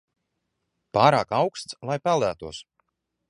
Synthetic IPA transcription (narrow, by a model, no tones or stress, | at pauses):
paːɾaːkawkst̪slˠajpælˠd̪æːt̪uɔs